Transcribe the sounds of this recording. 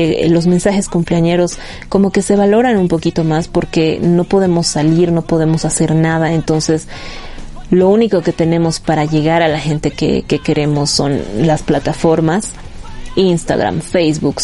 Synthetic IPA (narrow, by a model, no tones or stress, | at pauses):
elo̞zmensaxe̞skumpleaɲe̞ɾo̞s | ko̞mo̞ke̞se̞βalo̞ɾanumpo̞kit̪o̞maspo̞ɾke̞no̞po̞ðe̞mo̞saliɾno̞po̞ðe̞mo̞sase̞ɾnað̞ae̞nt̪o̞nse̞s | lo̞uniko̞ke̞t̪e̞nẽ̞mo̞spaɾaʝe̞ɣaɾalaxe̞nt̪e̞kḛke̞ke̞ɾe̞mo̞sːo̞̰nlasplat̪afo̞ɾmas | inst̪a̰ɣɾa̰mfe̞jzβuk